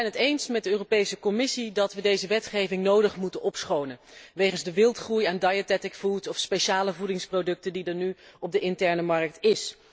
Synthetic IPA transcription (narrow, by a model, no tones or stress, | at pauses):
ɛjnətejnsmɛt̚dəøːropejsəkɔmɪsidɑtʋədejzəʋɛtχejvɪŋnowdəχmutənʔɔpsχownənʋejχənzdəʋɪlˠtχrujaːndajətɛtɪkfutɔfspejʃaːləvudɪŋsprodɵk̚tədidɑnyɔb̚dəɪntɛɹnəmɑɹk̚tɪs